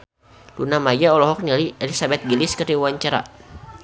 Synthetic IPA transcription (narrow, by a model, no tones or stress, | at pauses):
lunamajaɔlɔɦɔk̚naliɛlisabɛt̪̚ɡiliskərdiwaɲt͡ʃaɾa̰